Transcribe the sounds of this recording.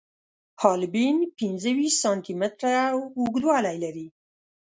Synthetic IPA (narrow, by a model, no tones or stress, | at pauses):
hɑlɪbinpɪnzəwiʃsɑnt̪imɪt̪ɾawuɡd̪wɑlajlaɾi